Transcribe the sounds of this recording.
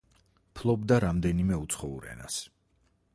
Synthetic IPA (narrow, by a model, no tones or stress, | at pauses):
pʰlˠɔbd̪aɾamd̪ɛnimɛut̪sʰχɔṵɾɛ̰na̰s